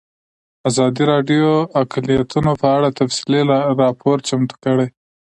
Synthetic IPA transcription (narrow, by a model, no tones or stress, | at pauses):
azɑd̪iɾɑɖjoaklijat̪unopəaɽat̪afsɪlelaɾɑpʰoɾt͡ʃamt̪u̥kəɽej